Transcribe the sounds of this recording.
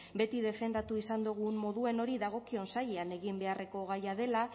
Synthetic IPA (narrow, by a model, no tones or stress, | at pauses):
be̞t̪iðe̞fe̞nd̪at̪uisand̪uɣ̞ummo̞ðue̞no̞ɾiðaɣ̞o̞kio̞nsajeane̞ɣimbe̞are̞ko̞ɣ̞ajaðe̞la